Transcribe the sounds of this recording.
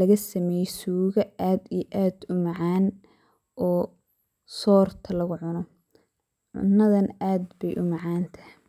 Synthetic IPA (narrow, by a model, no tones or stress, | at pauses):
lɐɣɐsɐmɛjsuːɣɐaːd̪ijʔaːd̪ʊmɑʕaːn | ʔɔː | sɔːrt̪ʰɐlɐɣʊʕʊnɔ | ʕʊ̰nːɐðɐnaːd̪bɛjʔʊmɑʕɑːnt̪ʰɐ̥hɪ